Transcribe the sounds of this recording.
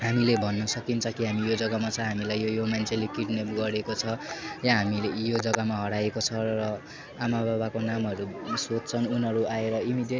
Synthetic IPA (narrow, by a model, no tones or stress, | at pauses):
ɦamilebʱʌnːʌsʌkint͡sʰʌkiɦamijod͡zʌɡamat͡sʰʌ̃ɦamilajjojomant͡sʰẽlekiɽnepɡʌɽekot͡sʰʌjãɦamijod͡zʌɡamaɦʌɽaekot͡sʰʌrʌ | amababakonamʌɾusot͡st͡sʰʌnunɦʌɾuaeɾʌimid̪e